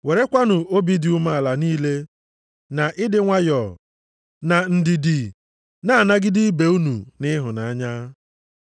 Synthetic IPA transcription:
we˨ɾe˦kʷa˦nʊ˨o˦bi˦dɪ˨u˦ma˦a˨la˨niː˦le˦ | na˨ʔɪ˦dɪ˦ŋʷa˦jɔ˨ | na˨n̩˨dɪ˨dɪ˨ | na˦a˨na˦ɡɪ˦dɪ˦be˨˦u˦nu˨nɪ˦ɦʊ˨na˨a˦ɲa˦

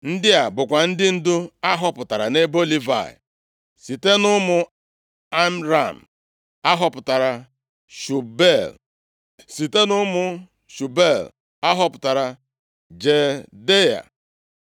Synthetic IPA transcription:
n̩˦dɪ˦a˨bʊ˨kʷa˨n̩˦dɪ˦n̩˦dʊ˦a˦ɦɔ˦pʊ˨ta˨ɾa˨ne˦bo˦li˦va̰˨ɪ̰˨ | si˨te˦nʊ˦mʊ˨ | a˦m˦ɾa˨m̩˨ | a˦ɦɔ˦˨pʊ˨ta˨ɾa˨ | ʃu˨be˦˨l | si˨te˦nʊ˦mʊ˨ | ʃu˨be˦˨l | a˦ɦɔ˦pʊ˨ta˨ɾa˨ | d͡ʒe˨de˦ja̰˨

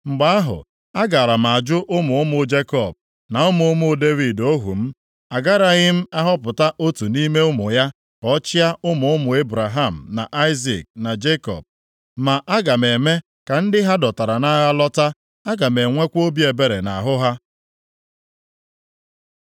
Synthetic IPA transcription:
ŋ͡m̩˨ɡ͡ba˦a˦ɦʊ̰˨ | a˦ɡa˨ɾa˨m̩˨a˨d͡ʒʊ˦ʔʊ˦mʊ˨ʊ˦mʊ˨d͡ʒe˦kɔ˦˨b̚ | na˨ʊ˦mʊ˨ʊ˦mʊ˦de˦vi˨do˦ɦṵ˨m̩˦ | a˨ɡa˦ɾa˨ɣɪ˦m̩˦a˦ɦɔ˦pʊ˨ta˦ʔo˦tu˨ni˦me˦ʊ˦mʊ˨ja˦ | kɔ˦t͡ʃɪ˦a˦ʊ˦mʊ˨ʊ˦mʊ˨e˦bɾa˨ɦa˦˨m̩˨na̰˨ʔa˦ɪ˦zḭ˨k̚na˨d͡ʒe˦kɔ̰˨b̚ | ma˨ʔa˦ɡa˨me˨me˦ | ka˨n̩˦dɪ˦ɦa˦dɔ˨ta˨ɾa˨na˦ɣa˦lɔ˦ta˦ | a˦ɡa˨me˨ŋʷe˦kʷo˦bi˦e˨be˨ɾe˨na̰˨ɦʊ˦ɦa˦

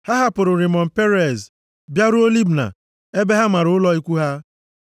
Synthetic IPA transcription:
ha˦ɦa˦pʊ˨ɾʊ˨ɾi˨mɔ˨m̩˨pe˦ɾe˨z | bja˦ɾʊ˦o˦li˦bna̰˨ | e˦be˦ɦa˦ma˨ɾʊ˨ʊ˦lɔ˦i˦kʷu˦ɦa˦

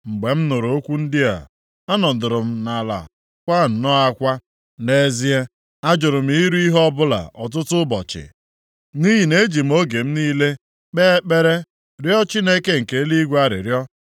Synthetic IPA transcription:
ŋ͡m̩˨ɡ͡be˨m̩˦nʊ˨ɾo˦kʷu˦n̩˦dɪ˦a̰˨ | a˦nɔ˨dʊ˨ɾʊ˨m̩˦na˨la̰˨ | kʷa˦˨n̩˨nɔ˦a˦kʷa˦ | ne˦zi˦e˦ | a˦d͡ʒʊ˨ɾʊ˨m̩˦i˦ɾu˦i˦ɦɔ˦bʊ˦la̰˨ʔɔ˨t̬ʊ˦tʊ˦bɔ˨t͡ʃɪ̰˨ | ni˦ɦi˨ne˦d͡ʒi˨m̩˦o˦ɡe˨m̩˦niː˦le˦ | k͡peː˦k͡pe˦ɾe˦ | ɾjɔ˦t͡ʃi˦ne˦ke˦ŋ̩˨ke˨˦li˦ɡʷa˦ɾɪ̰˨ɾjɔ˦

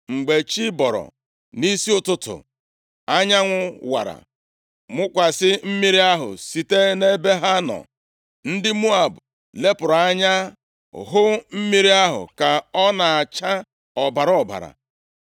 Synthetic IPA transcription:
ŋ͡m̩˨ɡ͡be˨t͡ʃi˦bɔ˨ɾɔ̰˨ | ni˦si˦ʊ˦tʊ˦tʊ̰˨ | a˦ɲa˦ŋʷʊ˦wa̰˨ɾa̰˨ | mʊ˦kʷa˨sɪ˦m̩˦mi˦ɾi˦a˦ɦʊ̰˨si˦te˦ne˦be˦ɦa˦nɔ̰˨ | n̩˦dɪ˦mu˦a˨bʊ˨ | le˦pʊ˨ɾa˦ɲa˦˨ | ɦʊ˦m̩˦mi˦ɾi˦a˦ɦʊ̰˨ka˨ɔ˦na˨a˨t͡ʃa˦ | ɔ˨ba˨ɾɔ˦˨ba̰˨ɾa̰˨

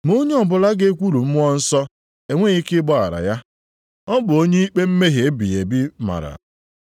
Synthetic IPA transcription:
mo˦ɲe˦ɔ˨bʊ˨la˦ɡe˦kʷu˦ɾu˨m̩˦m˦ɔ˦n̩˦sɔ˦ | e˨ŋʷe˦i˦kɪ˦bɔ˦a˨ɾa̰˨ja˦ | ɔ˦bʊ˨o˦ɲe˦i˦k͡pe˦m̩˦me˦ɦe˨˦bi˨e˨bɪ˦ma̰˨ɾa̰˨

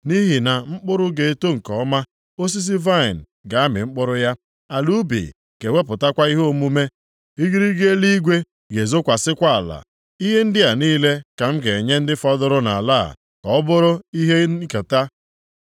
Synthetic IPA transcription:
ni˦ɦi˨na˨ŋ͡m̩˦k͡pʊ˦ɾʊ˦ɡe˨to˦ŋ̩˨kɔ˨ɔ˦ma˦ | o˦s̬i˦s̬i˦va˦ɪ˨n̩˨ɡa˨˦mɪ̰˨ŋ͡m̩˦k͡pʊ˦ɾʊ˦ja˦ | a˨lu˦bḭ˨ | ɡ̥e˨wʷe˦pʊ˨ta˦kʷa˦i˦ɦo˦o˦˨mu˦me˦ | i˦ɡi˦ɾi˦ɡe˦e˦li˦ɡʷe˦ | ɡe˨zo˦kʷa˨sɪ˦kʷa˦a˨la̰˨ | i˦ɦe˦n̩˦dɪ˦a˨niː˦le˦ka˨m̩˦ɡe˨ɲe˦n̩˦dɪ˦fɔ˦dʊ˦ɾʊ˦na̰˨la̰˦˨ | kɔ˨ɔ˦bʊ˦ɾʊ˦i˦ɦe˦ko˨ta˦

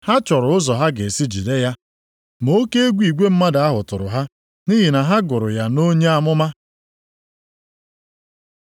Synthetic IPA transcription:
ha˦t͡ʃɔ˨ɾʊ˨ʊ˦zɔ˨ɦa˦ɡe˨si˦d͡ʒḭ˨de˦ja˦ | mo˦ke˦e˦ɡʷi˨ɡʷe˦m̩˦ma˦da˦ɦʊ˨tʊ˨ɾʊ̰˨ɦa˦ | ni˦ɦi˨na˨ɦa˦ɡʊ˨ɾʊ̰˨ja˨no˦ɲe˦a˦mʊ˦ma˦

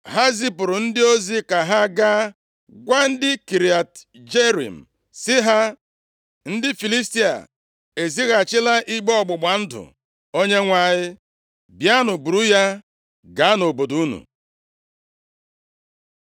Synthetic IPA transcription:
ɦa˦zi˦pʊ˨ɾʊ˨n̩˦dɪ˦o˦zi˦ka˨ɦa˦ɡa˦ | ɡʷa˦n̩˦dɪ˦ki˨ɾi˨a˨t | d͡ʒe˦ɾḭ˨m̩˨ | sɪ˦ɦa˦ | n̩˦dɪ˦fi˨li˦sti˦a̰˨ | e˨zi˦ɣa˨t͡ʃɪ˦la˦ʔi˦ɡ͡be˦ɔ˦˨ɡ͡bʊ˨ɡ͡ba˨n̩˦dʊ̰˨ | o˦ɲe˦ŋʷa˨ɲɪ˦ | bja˦nʊ˨bu˨ɾu˦ja˦ | ɡa˨˦a˦no˨bo˨du˨˦u˦nṵ˨

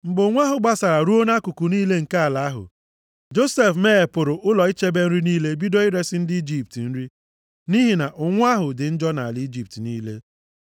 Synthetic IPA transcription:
m̩˨ɡ͡bʊ˨ŋʷ˦a˦ɦʊ˨ɡ͡ba˦sa˨ɾa˨ɾu˦o˦na˦kʊ˨kʊ˨niː˦le˦ŋ̩˨ka˦a˨la˨a˦ɦʊ̰˨ | d͡ʒo˦se˨fme˦e˨pʊ˨ɾʊ˨ʔʊ˦lɔ˨i˦t͡ʃe˦be˦n̩˦ɾi˦niː˦le˦bi˦do˦i˦ɾe˦sɪ˦n̩˦dɪ˦i˦d͡ʒi˦˨p̚ti˨n̩˦ɾi˦ | ni˦ɦi˨na˨ʔʊ˨ŋʷ˦a˦ɦʊ˨dɪ˨n̩˦d͡ʒɔ˦na˨li˦d͡ʒi˨p̚tniː˦le˦

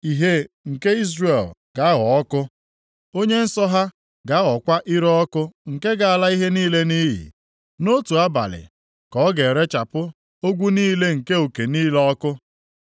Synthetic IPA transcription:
i˨ɦe˦ | ŋ̩˨ke˦i˦zre˨lɡa˦ɣɔ˨ɔ˦kʊ˦ | o˦ɲe˦n̩˦sɔ˦ɦa˦ | ɡa˦ɣɔ˨kʷa˦ʔi˦ɾɔ˦ɔ˦kʊ˦ŋ̩˨ke˦ɡa˨a˨la˦i˦ɦe˦niː˦le˦ni˦ɦḭ˨ | no˦tu˨a˦ba̰˨lɪ̰˨ | kɔ˨˦ɡe˨ɾe˦t͡ʃa˨pʊ˦ | o˦ɡʷu˦niː˦le˦ŋ̩˨ke˦o˨ke˨niː˦lɔ˦kʊ˦

